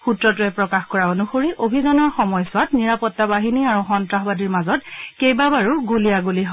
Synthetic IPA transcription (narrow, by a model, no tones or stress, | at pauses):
xutɹɔt̬ʊɛpɹɔkaxkɔɹaonuxoɹiʔobʱidɔnɔɹxɔmɔjsʊwatniɹapɔtːabaɦiniaɹuxɔntɹaɦbadiɹmazɔt̚kejbabaɹuɡuliaɡuliɦ